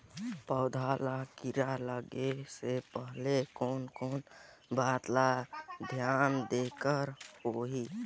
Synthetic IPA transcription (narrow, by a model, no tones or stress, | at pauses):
pəʊd̪ʱalakiɾaləɡesepəɦlekoːnkoːn | baːt̪lad̪ʱjaːnd̪ekəɾhoɦi